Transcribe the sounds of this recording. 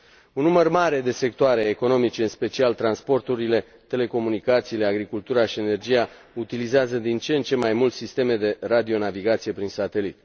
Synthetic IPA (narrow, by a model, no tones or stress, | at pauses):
unːumərmaɾe̞d̪e̞se̞k̚t̪oaɾe̞ːko̞no̞mit͡ʃe̞ɨnspe̞t͡ʃialt̪ɾanspo̞rt̪uɾile̞ | t̪e̞le̞ko̞munikat̪siːle̞aɡɾikult̪uɾaʃiene̞rd͡ʒija | ut̪ilizeazəd̪int͡ʃe̞nt͡ʃe̞majmult̪sist̪e̞me̞d̪e̞rad̪io̞naviɡat̪sije̞pɾinsat̪e̞lit̪